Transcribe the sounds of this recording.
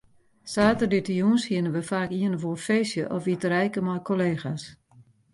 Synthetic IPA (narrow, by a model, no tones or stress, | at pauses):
saːtərditəjunshiənənʋəfaːkiənəʋofeːsjəʔɔfitəɾɛjkəmɔjkʰoleːxas